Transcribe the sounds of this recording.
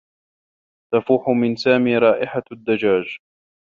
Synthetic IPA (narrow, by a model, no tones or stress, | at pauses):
t̪afuːħʊmɪnsaːmiːɾˤɑːʔɪħad̪ːad͡ʒaːd͡ʒ